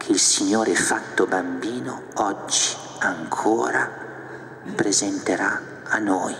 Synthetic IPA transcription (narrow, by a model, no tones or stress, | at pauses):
kʰeilsiɲːoːɾefat̪ːobambiːno̰ | ɔd͡ʒːi̥ | aŋkʰoːɾa̰ | pɾezɛnt̪eɾa | anːɔːj